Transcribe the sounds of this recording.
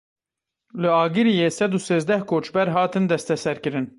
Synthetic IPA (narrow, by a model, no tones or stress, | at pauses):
lɨɑːɡɨɾijeːsɛd̪useːzd̪ɛhkʰoːt͡ʃbɛɾɦɑːt̪ʰɨnd̪ɛst̪ɛsɛɾkɨɾɨn